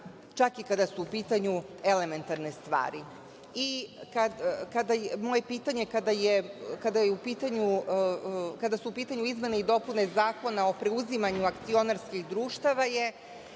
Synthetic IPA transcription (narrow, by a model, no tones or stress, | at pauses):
t͡ʃakikad̪asuːpiːt̪aɲue̞le̞me̞nt̪aɾne̞st̪ʋa̰ːɾi | ikad̪kad̪ajmo̞ːje̞piːt̪aɲe̞kad̪aje̞kad̪ajeupiːt̪aɲu | kad̪asuupiːt̪aɲuizme̞neid̪o̞pune̞zaːko̞nao̞pɾe̞uzimaɲuakt̪sio̞naɾskixd̪ɾuːʃt̪aʋaje̞